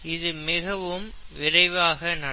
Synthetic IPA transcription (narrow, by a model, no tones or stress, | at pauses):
ɪðɯmɪɣɐʋɯmʋɪɾɐɪʋaːɣɐnɐ